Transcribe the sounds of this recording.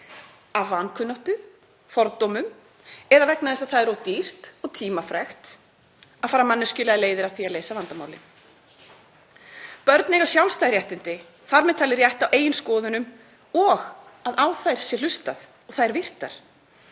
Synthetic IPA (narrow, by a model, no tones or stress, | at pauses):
avankʰʏnaht̪ʏ | fɔɾt̪ɔmʏm | ɛðavɛknaðɛsaðθaðɛɾoːwt̪ir̥t̪ɔɣt̪ʰiːmafɾɛxt̪ | aðfaːɾamanːʏscʏlɛɣaleːjðɪɾaθiaðleːjsavant̪amaːwlɪ̰ | pœɾt̪nɪɣasjawlst̪ajðɾjɛht̪ɪnt̪ɪ | θaɾmɛðt̪ʰaːlɪɾjɛjht̪awʔeːjʏnskɔːðʏnʏm | ɔɣaðaːwθajɾ̥sjɛl̥ʏst̪a̰θ | ɔɣθaðɛɾvɪr̥t̪a̰ɾ̥